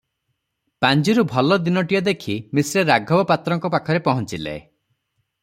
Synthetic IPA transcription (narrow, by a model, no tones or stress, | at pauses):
pand͡ʒiɾubʱɔlɔd̪inɔʈijɔd̪ekʰimisɾeɾaɡʱɔbɔpat̪ɾɔŋkɔpakʰɔɾepɔɦɔnt͡ʃilḛ